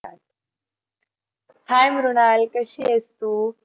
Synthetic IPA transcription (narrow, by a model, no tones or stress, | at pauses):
a | hʰajmɾunalkəɕiəst̪uː